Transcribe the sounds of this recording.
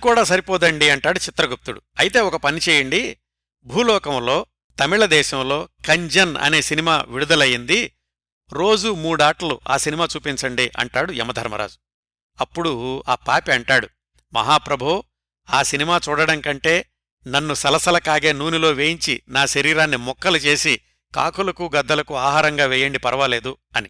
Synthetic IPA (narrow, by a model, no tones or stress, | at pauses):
kuːɽaːsɐɾipɔːd̪ɐɳɖiɐɳʈaːɽut͡ʃit̪ɾɐɡup̚t̪uɽuɐjit̪e̞ːɔkɐpɐnit͡ʃeːjɐɳɖi | bʱuːlɔːkɐmlo̞ː | t̪ɐmiɭɐd̪ɛːʃɐmlo̞ːkɐɲd͡ʒɐnɐ̰ne̞ːsinimaːʋiɽud̪ɐlɐjind̪i | ɾo̞ːd͡ʒumuːɽaːʈɐluʔa̰ːsinimaːt͡ʃuːpiɲt͡ʃɐɳɖiʔɐ̰ɳʈaːɽuɛ̰mːɐd̪ʱɐɾmɐ̰ɾa̰ːd͡ʒu̥ | ɐpːuɽuaːpaːpiɐɳʈaːɽu | mɐ̰ɦaːpɾɐbʱu | aːsinimaːt͡ʃuːɽɐɽɐŋkɐɳʈe̞ː | nɐnːusɐlɐsɐlɐkaːɡe̞ːnuːnilo̞ːʋeːjiɲt͡ʃinaːʃɐɾiːɾaːnːimɔkːɐlut͡ʃe̞ːsi | ka̰ːkulɐkuɡɐd̪ːɐlɐkuaːɦaːɾɐŋɡaːʋɛːjɐɳɖipɐɾɐʋale̞ːd̪u | ɐni